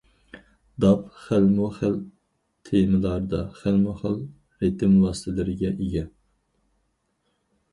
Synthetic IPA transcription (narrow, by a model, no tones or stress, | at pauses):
d̪ɑpχælmuχæl | t̪ʰemɨlˠɑɾd̪ɑχælmuχæl | ɾet̪ʰɪmlˠɑːsɨ̥t̪ʰɪlɪɾɪɡʲɛʔeɡʲɛn